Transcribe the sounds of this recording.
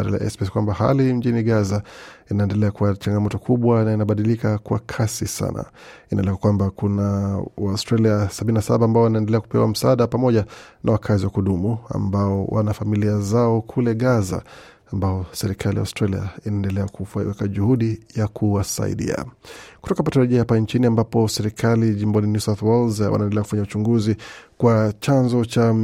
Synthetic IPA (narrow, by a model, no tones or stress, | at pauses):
aɾala̰ʔɛ̰spɛskwambaha̰lim̩ʄiniɡazainaɛndɛlɛakuat͡ʃaŋɡamɔtɔkʰuɓwanainaɓaɗilikakwa̰kʰasisa̰na̰ | inʔa̰lɛkakwambakunawaustɾaliasabininasaɓaːmbaɔwanaɛndɛlɛaku̥pɛwa̰m̩saaɗapamɔʄanʔawakʰaziwakuɗumua̰mbaɔwʔa̰nafamiliazaɔkʰulɛɠaza̰ː | mbaɔsɛɾikʰalija̰ustɾalia̰inaɛndɛlɛakuwɛkaʄuhuɗijakʰuwasa̰ḭɗḭa̰kutɔkapataɾaʄiahapant͡ʃiniambapɔsɛɾikʰaliʄimbɔninjusaθwɔlzwʔa̰naɛndɛlɛaku̥faɲaut͡ʃuŋɡuzikwat͡ʃanzɔt͡ʃa